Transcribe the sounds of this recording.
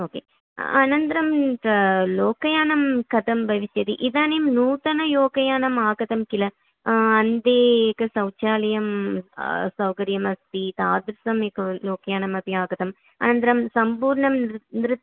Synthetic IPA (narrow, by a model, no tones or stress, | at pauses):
oːkḛː | ɐnɐnd̪ɐɾɐmɐloːkɐjaːnɐmkɐt̪ɐmbʱɐʋɪsjɐt̪iʔɪðaːnejmnuːt̪ɐnɐjoːkɐjaːnɐmaːɡɐt̪ɐmkɪlɐ | ɐnd̪eːekːɐsɐʊt͡ʃaːlɐjɐm | sɐwkɐɾjɐmɐst̪it̪aːd̪ɾɪsɐmekːɐloːkɐjaːnɐmɐpiaːɡɐt̪ɐm | ɐ̰nɐnd̪ɐɾɐmsɐmpuːɾɳɐmnɾɯt̪ː